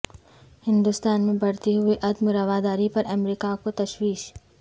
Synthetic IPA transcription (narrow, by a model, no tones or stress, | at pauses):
hɪ̃nd̪ʊst̪aːnmẽbɐɽt̪eɦʊeʔɐd̪mɾɐʋaːd̪aːɾipɐɾɐmɾiːkakot̪ɐʃwiːʃ